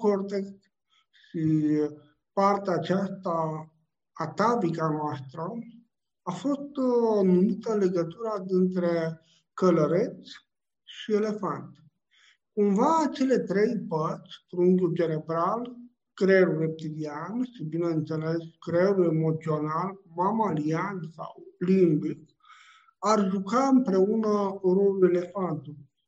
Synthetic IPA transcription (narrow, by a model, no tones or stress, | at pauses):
kort̪ekt̪ | ʃʃi | part̪eaːt͡ʃast̪aː | t̪abikanoast̪ɾə | afo̞st̪numit̪əɨnle̞ɡət̪uɾad̪int̪ɾe̞ | kələɾet̪sʲ | ʃie̞le̞fant̪ | kumvat͡ʃe̞le̞t̪ɾe̞jpərt͡ʃʲfɾuŋɡʲut͡ʃe̞ne̞bɾal | kɾelure̞p̚t̪ilianʃibine̞ɨnt̪se̞leskɾelue̞mo̞t̪sio̞nalmamaliansa̰wlimbik | arʒukaɨmpɾe̞unəɾo̞lule̞le̞fant̪u